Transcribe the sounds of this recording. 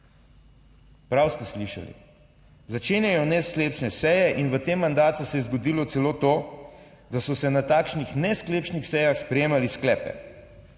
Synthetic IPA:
pɾawst̪ɛsliʃa̰lḭ | zat͡ʃeːnjajɔnɛskleːpt͡ʃnɛsɛjɛʔinʋət̪eːmːand̪aːt̪usɛjɛzɡɔd̪iːlɔsɛloːt̪oː | d̪asɔsɛnat̪aːkʃnixnɛskleːpt͡ʃnixsɛjaxspɾɛjeːmalisklɛːpɛ̰

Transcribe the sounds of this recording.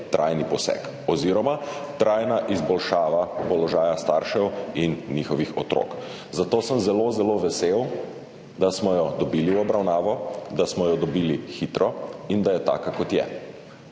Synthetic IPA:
t̪ɾʔajnipɔsɛ̰k | ɔziɾɔmat̪ɾajnaʔizbɔlʃaːʋapɔlɔʒaːjast̪aɾʃɛwinːixɔʋixɔt̪ɾo̰k | zat̪oːsəmzɛlozɛloʋɛsew | d̪asmɔjɔd̪ɔbiːliwɔbɾawnaːʋɔd̪asmɔjɔd̪ɔbiːlixit̪ɾɔind̪ajɛt̪a̰ːkakɔt̪jɛ̰

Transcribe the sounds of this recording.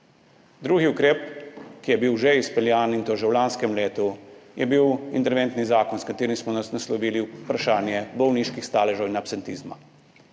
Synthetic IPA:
d̪ɾuːɡiukɾeːp̚kijɛbiwʒeispɛljaːnint̪ɔʒɛwlaːnskɛmleːt̪ujɛbiwḭnt̪ɛɾʋeːnt̪nizaːkɔnskat̪eːɾimsmɔnasnaslɔʋiːlipɾaʃaːnjɛbɔwniːʃkixst̪aːlɛʒɔwinapsɛnt̪iːzma̰

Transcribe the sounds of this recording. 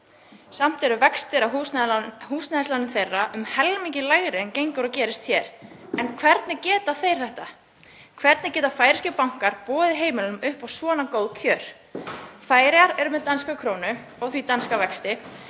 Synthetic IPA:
sam̥t̪ɛɾʏvɛkst̪ɪɾaɦuːhuːsnaðslanʏmθejrːaʔʏmhɛlmiɲcɪlaːɣɾɪncejŋkʏɾɔcɛːɾɪst̪çɛɾɛnkʰvɛɾt̪nɪcɛːt̪aθejɾ̥θɛht̪a | kʰvɛɾt̪nɪcɛːt̪afaːjɾɪscɪpawŋ̥kaɾ̥pɔːðɪɦeːjmɪlʏʏmʏhpawsvɔːnakowðc̪ʰœːɾ̥ | faːjɾɪjaɾɛɾʏmɛðt̪anskakʰɾoːwnʏ | ɔɣθvit̪anskavɛkst̪ɪ

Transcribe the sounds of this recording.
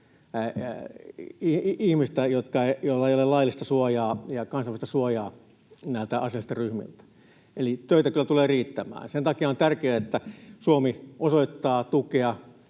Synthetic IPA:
iihmist̪æjot̪kɑejolːɑeˑijolelɑilːist̪ɑsuɑjɑːjɑkɑnsɑʋist̪ɑsuɑjɑː | næˑilt̪æʔɑsiɑlːist̪ɑryhmḭlt̪æ̥ | elit̪øit̪ækylːæt̪uleːriːt̪ːæmæ̰ːnsent̪ɑkiɑont̪ærkeæet̪ːæsuomiosoit̪ːɑːt̪ukeɑ

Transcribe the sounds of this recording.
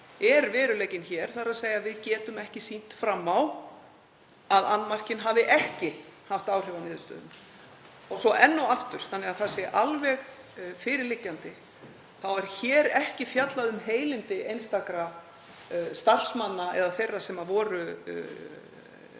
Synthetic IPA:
ɛɾvɛːɾʏleːjcɪnçɛːɾ̥θaɾaðseːjavɪðcɛːt̪ʏmɛhcɪsin̥t̪fɾamːaw | aða̰nːmar̥cɪnɦavɪʔɛhcɪhaft̪aːwr̥ɛvanɪːðʏst̪œ̰ːðʏ̰m | ɔɣsɔʔɛnːɔwaft̪ʏɾ̥θanːɛɣaðθasɪʔalvɛɣ | fɪɾɪɾlɪcːant̪ɪ | θawɛɾ̥çɛːɾɛhcɪfjat̪laðʏmɦeːjlɪnt̪ɪʔejnst̪akɾa | st̪ar̥smanːaɛ̰ðaθejrːasɛmavɔːɾʏ

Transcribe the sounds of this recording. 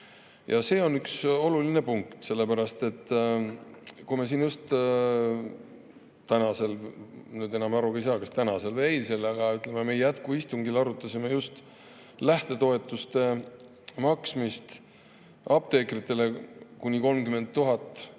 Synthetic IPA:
jɑse̞ːo̞nykso̞luline̞puŋkt̪se̞lːe̞pæɾɑst̪e̞t̪ː | kujmesiːnjust̪ | t̪ænɑse̞lnyːd̪e̞nɑmɑɾukɑjsɑːkɑst̪ænɑse̞lvejlse̞lɑɡ̥ɑyt̪ːˑle̞memejjæt̪kuist̪uŋɡilɑɾut̪ˑːɑsime̞just̪ | læht̪e̞t̪o̞e̞t̪ːˑust̪e̞ | mɑksmist̪ | ɑp̚t̪e̞ːkrit̪ːˑe̞le̞kunʲiko̞lmkyme̞nd̪̚t̪ːuɦɑt̪ˑː

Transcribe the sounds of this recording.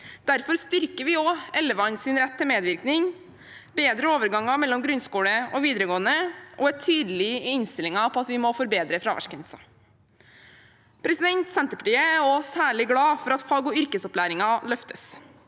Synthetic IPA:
d̪̥æɾfɔɾst̪ʏɾkəɾʋɪɔɛlːəʋɑnsɪnɾɛt̪ʰːɪlmeːd̪ʋɪɾknɪŋ | beːd̪ɾəoːʋəɾɡɑŋɑmɛlːɔmɡɾʉnskuːɽəʔɔʋiːd̪ɾəɡoːənəʔɔæʈʰyːd̪lɪɪnst̪ɪlɪŋɑpʰɔɑt̪ʋɪmɔfɔɾbeːd̪ɾəfɾɑʋæ̰ʂkənsɑ̰ | pʰɾɛsɪd̪ɛnt̪sɛnt̪əpʰɑ̥ʈiːəæɔsæːɭɪɡɽɑːfɔɾɑt̪fɑːɡɔʏɾkəsɔplæːɾɪŋɑlœft̪əs

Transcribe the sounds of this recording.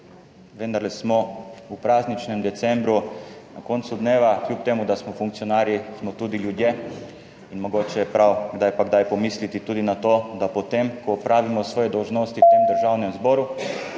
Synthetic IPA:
ʋɛnd̪aɾlɛsmɔupɾaːznit͡ʃnɛmd̪ɛt̪sɛmbɾuna̰konsud̪neːʋaklʲjuːp̚t̪eːmud̪asmɔfuŋk̚tsiɔnaːɾjismɔt̪uːd̪iljud̪je | inmɔɡoːt͡ʃɛɛpɾawɡd̪ajpaɡd̪ajpɔmiːslit̪it̪uːd̪inat̪oːd̪apɔt̪emkɔːpɾaːʋimɔsʋɔːjɛd̪ɔwʒnoːst̪iwt̪emd̪əɾʒawnɛmzbɔːɾu

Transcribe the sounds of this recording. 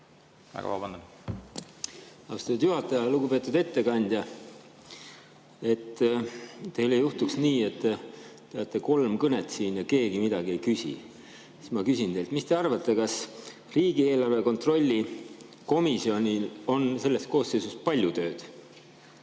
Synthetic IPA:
æ̰ɡɑ̰ɑ̰bɑn | ɑust̪ɑt̪ːud̪̥juɦɑt̪ːˑɑjɑluɡ̥upe̞t̪ːˑud̪e̞t̪ːe̞kɑnʲd̪̥ʲjɑ | e̞t̪ː | t̪e̞jlejuht̪uksniːe̞t̪ːt̪eɑt̪ːˑe̞ko̞lmkɤne̞t̪ˑsiːnjɑke̞ːɡimid̪ɑɡ̥ie̞jkysʲḭ | i̥mɑkysʲint̪e̞lt̪mist̪e̞ɑrvɑt̪ːe̞kɑs | riːɡie̞ːlɑrve̞ko̞nt̪ro̞lʲːi | ko̞misio̞nʲilo̞nse̞lːe̞st̪̚ko̞ːsːe̞jsust̪̚pɑlʲjut̪ø̞ːd̪̥

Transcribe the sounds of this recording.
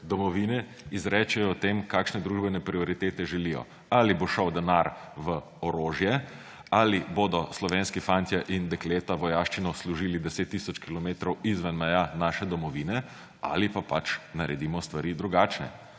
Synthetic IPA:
d̪ɔmɔʋinɛ | izɾɛːt͡ʃɛjɔt̪emkakʃnɛd̪ɾuːʒbɛnɛpɾiɔɾit̪eːt̪ɛʒɛlijɔ̰ | aliboʃəwd̪ɛnaɾʋə | ɔɾoːʒjɛ | aliboːd̪ɔslɔʋeːnskifant̪jaʔind̪ɛkleːt̪aʋɔjaːʃt͡ʃinɔsluʒiːlid̪ɛseːt̪ːisɔt͡ʃkilɔmeːt̪ɾɔwizʋɛnmɛjanaːʃɛd̪ɔmɔʋiːnɛ | a̰lipapat͡ʃnaɾɛd̪imɔst̪ʋaɾid̪ɾuɡaːt͡ʃnɛ̰

